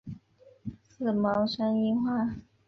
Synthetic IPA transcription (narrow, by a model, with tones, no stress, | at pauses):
sɹ̩˥˩mɑ˧˥ʊʂa˥ni˥˧xwa˥˩˨